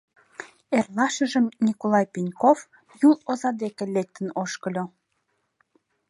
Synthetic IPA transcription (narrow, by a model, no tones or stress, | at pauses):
erlɑʃəʒəmnʲikolɑjpinʲkof | julozɑd̪ekelek̚t̪ənoʃkəlʲo